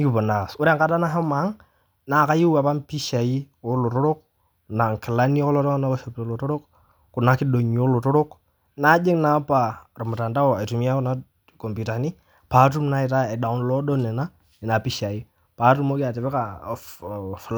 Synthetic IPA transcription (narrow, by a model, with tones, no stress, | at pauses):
ni˦ki˨bɔ˨na˨sʊ˦ɾe˦ŋka˦da˦na˦ɦa˦ma˨˦ŋ | na˨ka˦ji˦wa˨pa˦mpi˦ʃa˨ji˦ʊ˦lo˨ɾɔ˦ɾo˦k̚ | na˨ŋ˨kɪ˨la˦ni˦ɔ˦kɔ˦lɔ˦dɔ˦ŋ˦na˦ɔ˦ʃɔ˨pto˨lo˨tɔ˦ɾo˦k | kʊ˨na˨˦ki˦do˨ɲ˨o˦lo˨tɔ˦ɾo˦k | na˦d͡ʒɪ˦ŋna˦pa˨ɾʊ˨mʊ˨ta˨nda˦ɔ˦˨a˨tu˨mi˦a˦kʊ˨na˦ | kɔ˨mbu˨ta˨ni˦ | pa˨˦tu˦mna˦ɪ˨ta˦ɛ˨da˨ʊ˦nlɔ˦dɔ˦nɛ˨na˦ | nɪ˨na˨pi˦ʃa˨ji˦ | pa˨˦tu˦mo˦kɪ˦a˨tɪ˨pɛ˦ka˨ | f